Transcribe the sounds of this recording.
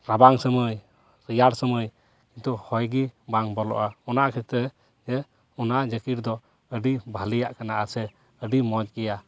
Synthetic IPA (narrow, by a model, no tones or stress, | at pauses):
ɾabaŋsəməj | ɾijaɾsəməj | kint̪uhɔjɡibaŋbɔlɔ̰ʔaɔnaʔkʰɛt̪ɾɛ | d͡ʒɛ | ɔnaʔd͡ʒəkiɾd̪ɔ | əɖibʱalijaʔkanaʔasɛ | əɖimɔd͡ʒɡɛja